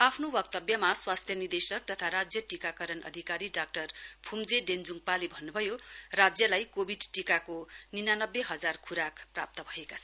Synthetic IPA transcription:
apʰnowʌk̚t̪ʌbjʌmaswast̪ʰjʌnird̪esʌk̚t̪ʌt̪ʰaɾad͡zjʌʈikakʌɾʌnʌ̰d̪ʱikaɾiɖak̚ʈʌrpʰumd͡zeɖend͡zuŋɡpalibʱʌnːubʱʌjorad͡zjʌlajkobʱiɖʈikakoninanʌbːeɦʌd͡zarkʰuɾakpra̰p̚t̪ʌbʱʌekat͡sʰʌn

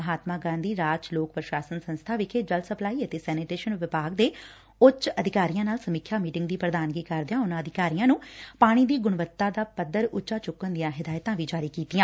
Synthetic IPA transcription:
ɦaːt̪maːɡãːnd̪iːɾaːd͡ʒloːk̚pəɾʃaːsənsə̃nst̪ʰaːʋikʰeːd͡ʒəlsəplaːiːət̪eːsɛːniʈeːʃənʋɪpaːɡd̪eː | ʊt͡ʃəd̪ʱɪkaːɾijãːnaːlsəmikʰjaːmiːʈɪŋɡ̚d̪iːpɾəd̪aːnɡiːkəɾd̪jãːʊnãːəd̪ʱɪkaːɾijãːnũːpaːɽ̃iːd̪iːɡʊɽ̃ʋət̪ːaːd̪aːpəd̪ːəɾʊt͡ʃaːt͡ʃʊkːənd̪ɪjãːɦɪd̪aːjt̪ãːʋiːd͡ʒaːɾiːkiːt̪ijãː

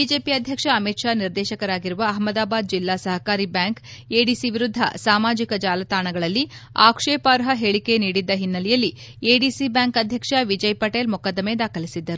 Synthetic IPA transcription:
bid͡ʒe̞ːpiɐd̪ʱjɐkʂɐɐmit̪ʂaːniɾd̪ɛːʃɐkɐɾaːɡiɾuʋɐːɦmɐd̪aːbaːd̪̚d͡ʒilːaːsɐɦɐkaːɾibjaːŋkeːɖisiʋiɾud̪ʱːɐ̰saːmaːd͡ʒikɐd͡ʒaːlɐt̪aːɳɐɡɐɭɐlːi | a̰ːkʂeːpaːɾɦɐɦeɭike̞niːɽid̪ːɐɦinːɐlɛjɐlːi | eːɖiːsibjaːŋkɐd̪ʱjɐkʂɐʋid͡ʒɐjpɐʈeːlmukad̪ɐmed̪aːkʰɐlisid̪ːɐɾu

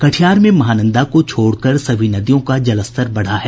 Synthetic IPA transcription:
kɐʈʰijaːɾmẽmɐɦaːnə̃nd̪akot͡ʃʰoːɽkɐɾsɐʋʱinɐd̪ijõkad͡ʒɐləst̪əɾbɐɽ̤aɦɛː

